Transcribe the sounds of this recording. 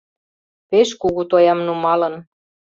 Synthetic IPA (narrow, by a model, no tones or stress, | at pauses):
peʃkuɣut̪ojɑmnumɑlɤ̆n